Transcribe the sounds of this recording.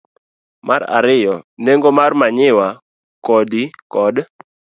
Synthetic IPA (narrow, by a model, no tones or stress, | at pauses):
maɾa̰ɾɪjɔneŋɡomarmaɲɪwa | kɔdikɔd